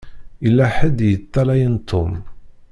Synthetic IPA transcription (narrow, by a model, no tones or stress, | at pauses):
ilːæħəd̪jət̪ːælæjənt̪ːʊm